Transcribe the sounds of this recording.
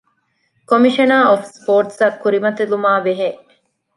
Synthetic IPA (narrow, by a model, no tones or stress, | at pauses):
komiʃɐnaːofspoːɾʈ̪sɐkːuɾimɐt̪elumaːʋeɦeʔ